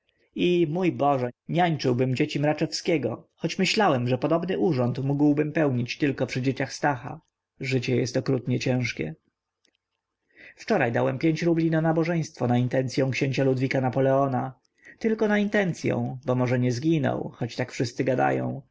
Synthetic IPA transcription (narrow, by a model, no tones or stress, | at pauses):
imujbɔʐɛɲaɲt͡ʂɘwbɘmd͡ʑet͡ɕimɾat͡ʂɛfskʲɛɡɔ̰xɔt͡ɕmɘɕlawɛmʐɛpɔd̪ɔbnɘʔuʐɔnt̪muɡwbɘmpɛwɲit͡ɕt̪ɘlkɔpʂɘd͡ʑet͡ɕaxst̪axa̰ | ʐɘt͡ɕɛjɛ̰st̪ɔkɾut̪ɲɛt͡ɕɛ̃w̃ʂkʲɛ̰ | ft͡ʂɔɾajd̪a̰wɛmpʲjeɲt͡ɕɾublʲinɔnabɔʐɛj̃st̪fɔnaint̪ɛnt̪sʲjɔ̃w̃kɕeɲt͡ɕalud̪vʲikanapɔlɛɔna | t̪ɘlkɔnaint̪ɛnt̪sʲjɔ̰̃w̃bɔmɔʐɛɲɛzɡʲinɔ̰wxɔt͡ɕt̪akfʂɘst̪sɘɡad̪a̰jɔ̰̃w̃